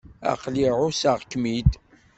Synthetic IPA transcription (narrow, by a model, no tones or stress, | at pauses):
æ̰qliʕʊsaʁkːmid̪